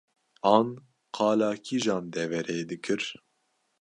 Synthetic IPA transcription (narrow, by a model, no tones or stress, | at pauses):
ɑːn | qʰɑːlɑːkʰiːʒɑːnd̪ɛvɛɾeːd̪ɨkʰɨɾ